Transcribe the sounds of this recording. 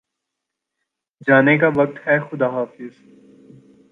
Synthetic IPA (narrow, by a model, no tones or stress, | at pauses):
d͡ʒaːnekaʋɐk̚t̪hɛxʊd̪aɦaːfɪz̥